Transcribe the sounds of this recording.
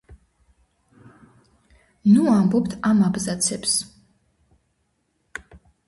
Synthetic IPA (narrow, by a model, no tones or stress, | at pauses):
nuambɔp̚t̪ʰamabzat̪sʰɛps